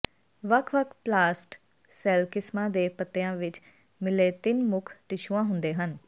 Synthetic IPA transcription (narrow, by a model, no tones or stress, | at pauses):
ʋəkʰʋəkʰplaːsʈ | sɛːlkɪsmãːd̪eːpət̪ːeːãːʋɪt͡ʃ | mɪleːt̪ɪnmʊkʰʈɪʃuãːɦʊnd̪eːɦən